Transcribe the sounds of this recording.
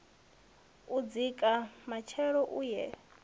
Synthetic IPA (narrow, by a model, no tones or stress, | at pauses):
ud͡zikʼamat͡ʃʰɛɺɔʔuːjɛ